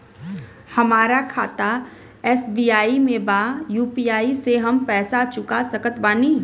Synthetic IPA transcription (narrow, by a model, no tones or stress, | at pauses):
hɐmaːɾakʰaːt̪a | ɛːsbiːaːimẽbaːjuːpiːaːiseɦɐmpɛːsat͡ʃʊkasəkət̪baːniː